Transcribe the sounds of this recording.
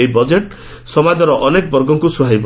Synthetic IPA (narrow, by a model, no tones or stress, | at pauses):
eibɔd͡ʒeʈ | sɔmad͡ʒɔɾɔʔɔnekɔbɔɾɡɔŋkusuɦajb